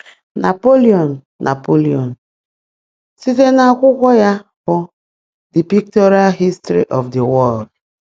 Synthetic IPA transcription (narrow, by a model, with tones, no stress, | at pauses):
na˨po˦li˦ɔ˨nː | ʔa̰˨po˦li˨ɔ˨n | si˦te˦na˨kʷʊ˦kʷɔ˦ja˦fɔ˨ | di˨pi˦k̚tɔ˦ɾi˦a˦ɦi˦stɾḭ˦ʔɔ˨fdi˨wɔ˦˨ld